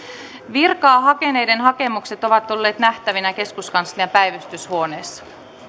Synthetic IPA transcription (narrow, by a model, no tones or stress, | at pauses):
ʋirkɑːɦɑke̞ne̞jde̞nɦɑke̞mukse̞t̪o̞ʋɑt̪ːo̞lːe̞ːt̪næht̪æʋinæke̞skuskɑnsliɑpæjʋæst̪yshuoneːsːɑ̥